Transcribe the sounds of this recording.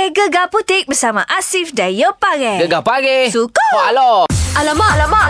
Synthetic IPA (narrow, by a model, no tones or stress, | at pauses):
eɡəɡaput̪ɪk̚bəsamaʔasifdajəpaɡɛəɡapaɡesukoalɔalamalama